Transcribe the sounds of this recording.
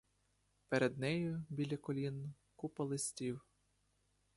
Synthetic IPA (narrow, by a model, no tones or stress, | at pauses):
peɾed̪nɛjʊbʲilʲɐkɔlʲin | kupɐlˠɪsʲtʲiw